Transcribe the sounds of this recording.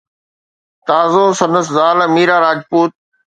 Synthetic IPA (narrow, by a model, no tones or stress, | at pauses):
t̪aːzoːsɐ̃nd̪əszaːləmiːɾaːɾaːd͡ʒpuːt̪̚